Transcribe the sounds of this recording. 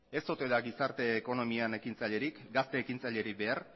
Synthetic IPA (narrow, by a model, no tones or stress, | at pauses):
e̞st̪ot̪e̞ðaɡisaɾt̪e̞ːko̞no̞miane̞kint͡saʎe̞ɾikɡast̪e̞ːkint͡saʎe̞ɾikbe̞aɾ